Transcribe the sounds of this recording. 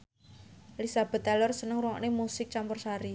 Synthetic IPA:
lisab̥ɛ̤t̪ːalɔrsənəŋɾwɔʔnemusɪk̚t͡ʃampʊrsaɾi

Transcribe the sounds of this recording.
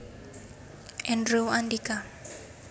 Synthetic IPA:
ɛnruandika

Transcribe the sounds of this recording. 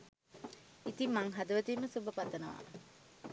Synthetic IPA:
it̪imːaŋɦad̪uʋət̪iːməsubəpat̪ːənəʋa̰ː

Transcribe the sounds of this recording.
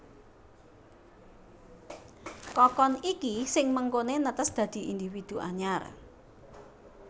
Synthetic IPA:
kɔkɔnikisɪŋməŋkonenət̪əsd̪̥ä̤d̪̥i̤ʔind̪ifid̪̥ṳʔa̰ɲar

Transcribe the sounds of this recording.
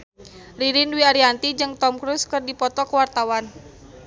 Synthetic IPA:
riɾinwiaɾiant̪id͡ʒɨŋt̪ɔmkɾuskɨrdipɔt̪ɔkəwart̪awan

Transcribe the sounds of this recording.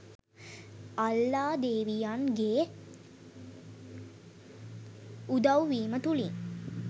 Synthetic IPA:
alːaːd̪eːʋijaŋɡeː | ud̪awʋiːmət̪uliŋ

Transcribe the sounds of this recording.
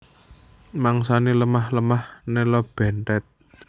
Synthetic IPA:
maŋsaniləmahləmahnelɔb̥ɛ̤nt̪ɛt̪̚

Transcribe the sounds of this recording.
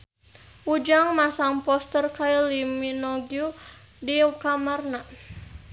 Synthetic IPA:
ʔud͡ʒaŋmasaŋpɔst̪ərkailiminɔɡju | dikamarna

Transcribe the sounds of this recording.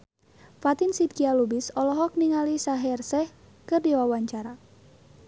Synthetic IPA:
fat̪insidkialubisɔlɔɦɔk̚niŋalisaɦɛrsɛh | kɨrdiwawaɲt͡ʃaɾa

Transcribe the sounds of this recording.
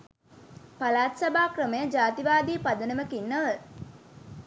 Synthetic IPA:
palaːt̪sabaːkrəməjəd͡ʒaːt̪iʋaːd̪iːpad̪ənəməkinːəə

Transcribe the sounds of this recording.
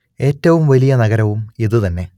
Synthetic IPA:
e̞ːtːɐʋumʋɐlijɐnɐɣɐɾɐʋumiðɨt̪ɐnːe̞

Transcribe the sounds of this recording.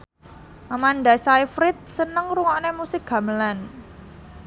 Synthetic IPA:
ʔamanɖasajfɾɪt̪̚sənəŋɾuŋaʔnemusɪk̚ɡ̥a̤məlan

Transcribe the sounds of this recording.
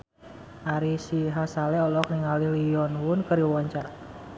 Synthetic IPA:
ʔaɾisiɦasalɛɔlɔk̚niŋaliliɔnhunkəɾiawaɲt͡ʃaɾa

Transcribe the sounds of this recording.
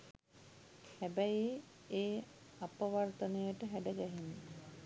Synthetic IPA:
hæbæji | eː | apəʋart̪ənəjəʈəɦæɖəɡæɦinə

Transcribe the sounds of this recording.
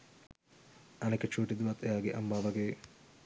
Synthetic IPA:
ɐneket͡ʃuːʈid̪uʋɐt̪ːejaːɡeʔɐmbaːʋɐɡeː

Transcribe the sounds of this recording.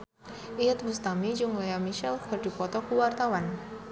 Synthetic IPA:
ʔiət̪̚bust̪amid͡ʒuŋlajamiʃɛlkərdipɔt̪ɔkuwart̪awan

